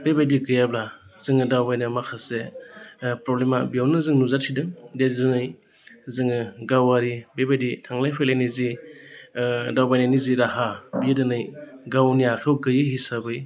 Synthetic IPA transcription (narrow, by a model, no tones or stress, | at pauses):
bebajdiɡɯjablaz̥ɯŋɯdawbajnɯmakʰase | pɾɔblemabiawnɯzɯŋnuzatʰidɯdedɯnɯj | zɯŋɯɡawaɾibebajditʰaŋlajpʰelajnizi | dawbajnaniziɾaɦabiadɯnɯjɡawniakʰewɡɯjɯɦisabɯj